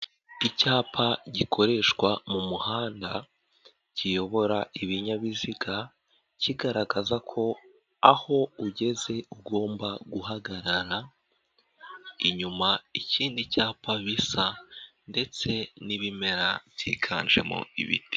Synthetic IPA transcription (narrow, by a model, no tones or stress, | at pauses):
icaːpʰaɟikʰo̞ɾe̞ːʃkwamumuhaːnda | cijo̞βo̞ɾaiβiɲaβiziɡa | ciɡaɾaɡazakʰo̞ | aho̞uɟe̞ze̞uɡo̞ːmbaɡuhaɡaɾaɾa | iɲumaiciːndicaːpʰaβisande̞t͡se̞niβime̞ɾabjḭːɡʰa̰ːnʒe̞̰mo̰ḭβḭti̥